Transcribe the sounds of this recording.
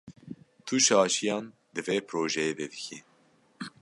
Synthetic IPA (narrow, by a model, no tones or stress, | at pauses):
t̪ʰuʃɑːʃijɑːn | d̪ɨveːpʰɾoːʒɛjeːd̪ɛd̪ɨkʰi